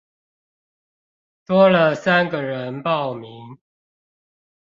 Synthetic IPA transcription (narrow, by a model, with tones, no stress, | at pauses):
t̪wɔ˦lə˨sa˦nɡə˨ɻə˨˦npɑ˥˨ʊmi˨˦ŋ